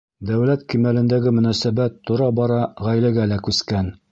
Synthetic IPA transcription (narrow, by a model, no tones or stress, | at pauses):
d̪æwlæt̪kimælɘ̆nd̪æɡɘmɵ̆næsæbæt̪ːuɾɑbɑɾɑʁæjlæɡælækʉskæn